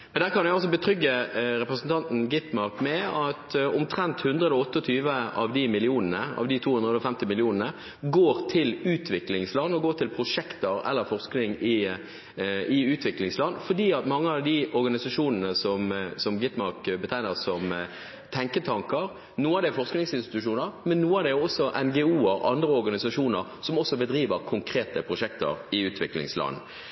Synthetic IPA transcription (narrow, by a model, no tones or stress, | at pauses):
mɛnd̪æːɾkʰɑnɛɪɔls̬ɔbət̪ʰɾʏɡːəɾɛpɾəsən̩t̪ʰɑnt̪n̩ɡɪt̪mɑɾkmɛɑt̪ʊmt̪ʰɾɛnt̪hʉnd̪ʁəɛləɔt̪ːəɔt̪ʰyːʋəɑʋd̪ɪmɪlɪuːnənəɑ̰ʋd̪ɪt̪ʰuːhʉnʁəd̪ɔfɛmt̪ɪmɪlɪuːnənə | ɡoːɾt̪ʰɪlʉːt̪ʰʋɪklɪŋslɑnːɔɡoːʈ̪ʰɪlpʰɾʊʂɛkt̪əɾɛ̰lːəɾfɔʁsknɪŋɪ | ɪʉːt̪ʰʋɪklɪŋslɑnːfɔɖiːɑt̪mɑŋːəɑʋd̪ɪɔɾɡɑnɪsɑʂuːnənəsɔmsɔmɡɪt̪mɑʁkbət̪ʰæɪnəʁsɔm | t̪ʰɛŋkət̪ʰɑŋkəɾ | nuːəɑʋd̪ɛæɾfɔʁsknɪŋsɪnst̪ɪ̥t̪ʉʃuːnəɾmɛnːuːəɑd̪ɛæɔsːɔʔɛnɡɛuːəɾɑ̰nd̪ɾəɔɾɡɑnɪsɑʂuːnəɾsɔmɔsːɔbəd̪ɾiːʋəɾkʰʊŋkʰɾeːt̪əpʰɾʊʂɛkt̪ə̰ɾɪʉːt̪ʰʋɪklɪ̰ŋslɑ̰nː